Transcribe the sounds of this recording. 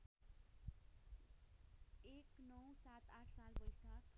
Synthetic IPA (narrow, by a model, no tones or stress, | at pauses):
eknʌwsat̪aʈʰsalbʌjsak